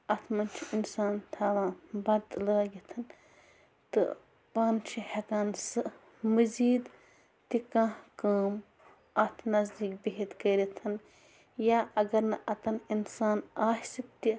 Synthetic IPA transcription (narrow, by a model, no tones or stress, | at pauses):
ɐt̪ʰmɐnt͡ʃʰiinsaːnt̪ʰaːʋãːbɐd̪lɐːɡit̪ʰɐn | t̪ɨ̰ | paːnt͡ʃʰihekaːnsɨ | mɨziːd̪ | t̪ikãːɦkaːm | ɐt̪ʰnɐzd̪iːkbeɦit̪kɐɾit̪ʰɐn | jaːʔɐɡɐɾnɐʔɐt̪ɐninsaːnaːsit̪ːi